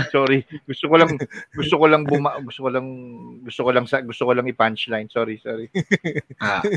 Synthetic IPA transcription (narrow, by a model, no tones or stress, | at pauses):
soːɾiɡʊst̪okolɐŋɡʊst̪okolɐŋbʊmɐʔɡʊst̪okolɐŋɡʊst̪okolɐŋsɐɡʊst̪okolɐŋɪpant͡ʃlajnsoːɾisoːɾi | ʔa